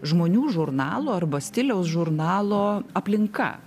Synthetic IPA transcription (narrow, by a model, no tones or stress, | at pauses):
ʒmoːnʲuːʒʊɾnɑːlˠoːɐrbɐsʲt̪ʲɪlʲɛʊsʒʊɾnɑːlˠoːɐpʲlʲɪŋkɐ̰